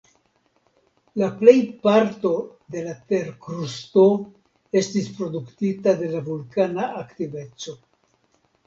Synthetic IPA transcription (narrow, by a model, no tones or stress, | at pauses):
laple̞jpaɾto̞d̪e̞late̞ɾkɾusto̞ | e̞stispɾo̞d̪uktitade̞lavulkanaʔaktive̞t͡so̞